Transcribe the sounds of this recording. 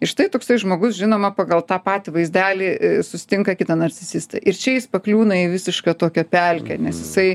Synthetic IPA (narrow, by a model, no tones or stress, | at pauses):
ɪʃt̪ɐɪt̪oːksɐɪʒmoːɡʊsʒʲɪnoːmɐpɑɡɐlˠt̪ɑːpɑːt̪ʲɪʋɐɪzʲd̪ʲæːlʲisʊsʲɪ̥t̪ʲɪŋkɐkʲɪt̪ɐnɐrʲt͡sʲɪzʲɪst̪ɐ̰ʔɪɾt͡ʃʲɛjɪspɐklʲuːnɐiʋʲɪsʲɪʃkɑt̪oːkʲɛpʲælʲkʲɛnʲɛsjɪsɐɪ